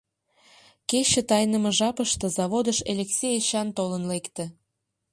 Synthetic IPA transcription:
ket͡ɕə̆t̪ɑjnə̆məʒɑpəʃt̪ɤ̆zɑβod̪əʃelʲeksʲejeɕɑnt̪olənlekt̪ĕ

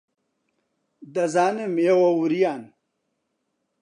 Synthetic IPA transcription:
d̪ɐzaːnemewɐuɾijaːn

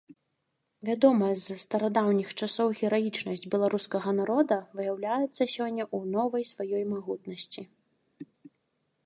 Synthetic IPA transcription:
vʲad̪ɔmɐzst̪ɐɾad̪awnʲixt͡ʂasɔwɣʲɛɾajit͡ʂnɐsʲd͡zʲbʲɛlˠaɾuskɐɣɐnaɾɔd̪ɐvɨjawlʲajɛt̪sːɐsʲɔnʲːɐʔunɔvɐjsvajɔjmaɣut̪nɐsʲt͡sʲi

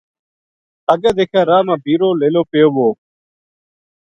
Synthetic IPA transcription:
əɡaːd̪eːkʰaːɾaːmãːbʱiːɾoːleːloːpejoːboː

